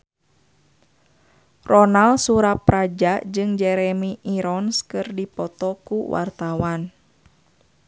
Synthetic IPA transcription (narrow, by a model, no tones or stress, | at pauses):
rɔnalsuɾaprad͡ʒad͡ʒɨŋd͡ʒɛɾɛmiʔiɾɔnskɨrdipɔt̪ɔkuwʔa̰rt̪awan